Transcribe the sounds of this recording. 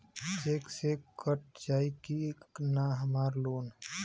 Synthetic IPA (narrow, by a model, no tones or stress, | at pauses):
seːksekəʈ̚d͡ʒaːikinaɦəmaːɾloːn